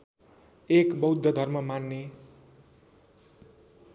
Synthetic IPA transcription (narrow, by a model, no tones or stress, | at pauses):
ekbʌwd̪ʱːʌd̪ʱʌrmʌmanːe